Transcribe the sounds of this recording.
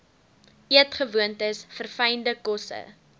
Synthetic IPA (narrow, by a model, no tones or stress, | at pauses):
iətχəvuəntəsfərfɐjndəkɔsə̰